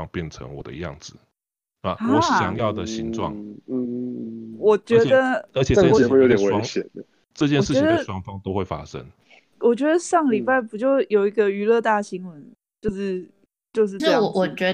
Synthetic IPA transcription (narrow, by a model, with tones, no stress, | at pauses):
ŋpjɛ˥˩nt͡sʰə̰˧˦ŋwɔ̰˨˩d̪ə̰˦jɑ̰˥˨˩ŋd͡zɹ̩˨˩˥ | a˧˩wɔ˨˥ɕjɑ̰˨˦ŋjɑ˥˨ʊd̪ə˩ɕi˧˥ŋʈ͡ʂwɑ̰˨˩ŋ̩˥˩ | wɔ˨˩t͡ɕɥɛ˧˥˨d̪ə˧ə˧˥t͡ɕʰjxwu˥˩jo˧˦t̪jɛ˨we˧˦˥ŋɕjɛ˨˩nd̪ə˦ | ʈ͡ʂɤ˥˧t͡ɕjɛ˥˧ʂɻ̩˥˩ɛ˧˥d̪ə˧ə˩ʂwɑ˥ŋfɑ˥ŋt̪o˥ʊxwe˥˩ɪfa̰˦ʂə̰˦˥ŋ | wʔɔ˨˩t͡ɕɥɛ˧˥d̪ə˧ʂɑ˥˩ŋəli˨˩pa˥˩ɪpu˨˩t͡ɕjo˥˩ʊjo˨˩ʊi˧˥ɡə˧y˧˥lɤ˥˧t̪a˥˩ɕi˧˥ŋwə˧˥n | t͡ɕjo˥˧ʊʂɻ̩˥˧ | t͡ɕjo˥˧ʊʂ̬ɻ̩˥˧˥wɔ˨˩t͡ɕɥɛ˧˥